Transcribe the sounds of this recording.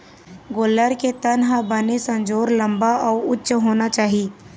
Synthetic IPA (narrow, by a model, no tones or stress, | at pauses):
ɡoːləɾket̪ɐnɦabɐnesɐ̃nd͡ʒoːɾlɐ̃mbaʔɔːʊtːʃɦoːnat͡ʃaːɦieː